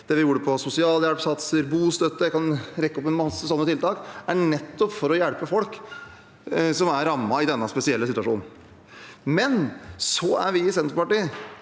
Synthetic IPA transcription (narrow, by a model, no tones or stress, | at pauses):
d̪̥ɛʋɪjuːɾəpʰɔsʊsɪɑːljæɽpsɑt̪səɾbuːst̪œt̪ːəkɑnɾɛkːəɔp̬ːɛnmɑsːəsɔnːət̪ʰɪlt̪ɑːkæɳɛt̪ːɔpfɔɾɔjæɽpəfɔlk | sɔmæɾɾːɑmːɑɪd̪ɛnːɑspɛsɪɛlːəsɪt̪ʉɑʂṵːnn̩ | mɛnsɔæ̰ɾʋɪɪsɛnt̪ɾpɑʈiː